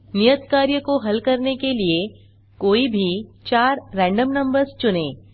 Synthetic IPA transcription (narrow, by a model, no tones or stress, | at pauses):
nijət̪kaːɾjəkoɦɐlkɐɾnekelie | koːibʱit͡ʃaːɾːɛ̃ːɳɖəmnɐ̃mbəɾst͡ʃʊnẽː